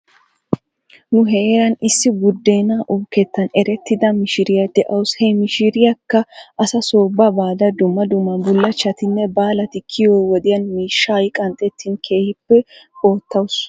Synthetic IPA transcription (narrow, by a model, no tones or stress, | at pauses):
nʊɦɛeɾɐnɪsːɪɡʊd̪ːe̞ːnaʔʊbkɛt̪ːɐnɛɾɛt̪ːɪd̪ɐmɪʃɪɾɪjɐd̪ɛʔɐwshɛmɪʃɪɾɪjɐkːɐʔɐsɐso̞ːbːɐbaːd̪ɐd̪ʊmːɐd̪ʊmːɐbʊlːɐt͡ʃːɐt̪ɪnːɛbaːlɐt̪ɪkʰːɪjoːwɔd̪ɪjɐnmiːʃːaːjkʼɐnt̪ʼːɛt̪ʰːinkʰe̞ːhɪpːɛoːt̪ːɐwʊs